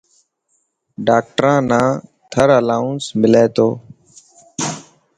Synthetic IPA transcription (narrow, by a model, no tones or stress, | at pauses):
ɖaːk̚ʈɾãːnãːt̪ʰəɾəlaːʊ̃nsmɪleːt̪oː